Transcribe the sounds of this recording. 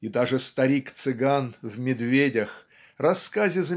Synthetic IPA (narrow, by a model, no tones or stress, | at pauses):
id̪aʐɨst̪ɐɾʲikt̪sɨɡanvmʲɪd̪vʲedʲəx | rɐskazʲɪzə